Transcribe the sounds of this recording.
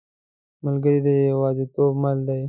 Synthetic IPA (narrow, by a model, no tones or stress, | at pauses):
məlɡəɾid̪əjwɑzit̪obmald̪aj